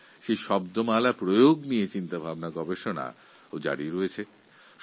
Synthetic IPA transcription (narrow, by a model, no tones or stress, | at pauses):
ʃeʃɔbd̪omalapɾojoɡnijet͡ɕint̪abʱabnaɡɔbeʃona̰ | od͡ʑa̰ɽiɾoet͡ɕʰe | ʃ